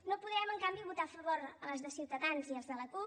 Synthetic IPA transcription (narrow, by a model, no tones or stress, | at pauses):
nopuðɛəməŋkambiβut̪afəβoɾələzðəsiwt̪əðanziəlzðələku